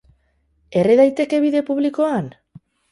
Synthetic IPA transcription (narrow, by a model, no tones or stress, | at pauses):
e̞reðajt̪e̞ke̞β̞iðe̞puβliko̞an